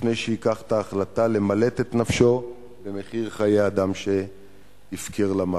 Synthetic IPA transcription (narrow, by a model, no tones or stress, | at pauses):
nejʃeikaχt̪aːχlat̪ale̞male̞t̪e̞t̪nafʃo̞ | beme̞χiʁχajejad̪amʃe̞ | jifkʰeʁlama